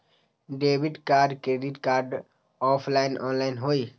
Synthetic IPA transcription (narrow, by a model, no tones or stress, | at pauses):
ɖeːʋɪɖkaːɾɖkɾeːɖɪʈkaːɾɖ | ɔːpʰlaːɪnʔɔ̰ːnlaːɪnɦoːiː